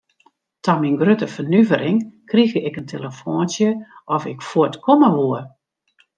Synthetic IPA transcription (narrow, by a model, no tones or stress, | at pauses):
tʰɔminɡrøtəfənyvəɾɪŋkriɣəɪkəntʰeləfoːnsjəʔɔfɪkfuətkʰɔməʋuər